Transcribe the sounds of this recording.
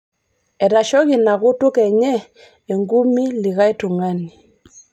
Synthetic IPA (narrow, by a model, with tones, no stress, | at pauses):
ɛ˨ɾa˨ʃɔ˦ɣi˨na˨ɣo˦to˦kɛ˨ɲɛ˦ | e˨ŋɡu˦mi˦li˨ɣa˦e˦to˨ŋa˦ni˨